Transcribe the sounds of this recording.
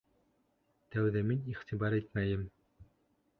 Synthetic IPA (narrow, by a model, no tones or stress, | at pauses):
t̪æwðæminiχt̪ibɑɾet̪mæjɘm